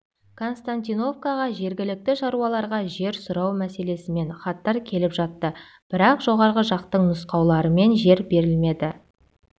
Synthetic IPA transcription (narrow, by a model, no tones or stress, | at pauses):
kʰo̞nst̪ant̪ijno̞vkɑʁɑʒe̞ɾɡʲɪlɪk̚t̪ɪʃɑɾuɑlˠɑɾʁɑʒe̞ɾsʊɾɑwmæse̞le̞sɪme̞nχɑt̪ːɑɾkʲʰe̞lɪpʒɑt̪ːə | b̥ɪɾɑqʒo̞ʁɑɾʁəʒɑqt̪əɴnʊsqɑwlˠɑɾəme̞nʒe̞ɾbe̞ɾɪlme̞d̪ɪ